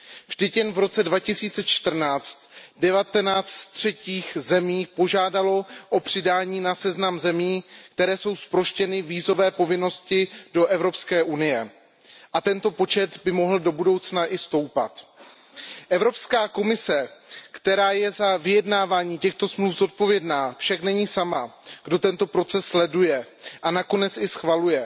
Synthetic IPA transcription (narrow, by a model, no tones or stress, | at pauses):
vʒ̥dɛcjɛnvɾo̞t͡sɛdvacɪsiːt͡sɛt͡ʃt̪r̩naːt͡st̪dɛvat̪ɛnaːt͡st̪t̪r̝̥ɛciːxzɛmiːpo̞ʒaːdalo̞ʔopr̝̥ɪdaːɲiːnasɛznamzɛmiːk̚t̪ɛɾɛːso̞wspɾo̞ʃcɛnɪviːzo̞vɛːpo̞vɪno̞scɪdo̞ʔɛvɾo̞pskɛːʔunɪjɛ | ʔat̪ɛnt̪o̞po̞t͡ʃɛt̪bɪmo̞ɦl̩do̞budo̞wt͡snaʔɪst̪o̞wpa̰t̪ | ʔɛvɾo̞pskaːko̞mɪsɛkt̪ɛɾaːjɛzavɪjɛdnaːvaːɲiːcɛxt̪o̞smlufzo̞t̪̚po̞vjɛdnaːfʃaknɛɲiːsamaɡ̥do̞t̪ɛnt̪o̞pɾo̞t͡sɛsːlɛdujɛ | ʔanako̞nɛt͡sɪsxvalujɛ